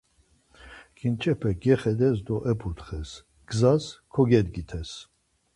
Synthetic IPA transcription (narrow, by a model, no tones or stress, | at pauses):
kʼint͡ʃʰʼɛpʰɛɡɛχɛd̪ɛs̬d̪ɔʔɛpʰut̪χɛs | ɡ̥zaskʰɔɡɛd̪ɡit̪ʰɛs